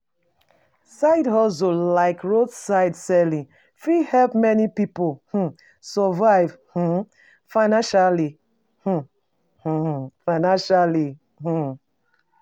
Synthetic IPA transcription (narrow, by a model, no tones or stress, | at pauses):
saɪdhɔsolaɪkɹodsaɪdsɛlĩ | fihɛlpmɛnipipoh̩ | sɔvaɪvh̩ | faɪnãnʃali | h̩ | h̩faɪnãnʃali | h̩